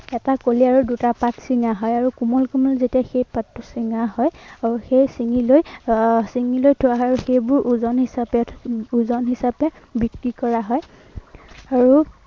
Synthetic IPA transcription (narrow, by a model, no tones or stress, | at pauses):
ɛtakoliaɹudutapatsiŋaɦɔjaɹukumɔlkumɔlzetiaxejpatːusiŋahɔjauxejsiŋilojsiŋilojtʰʊaɦɔaɹuxejbʊɹʔuzɔnhisapɛuzɔnɦisapɛ | bikɹikɔɹaɦɔj | aɹu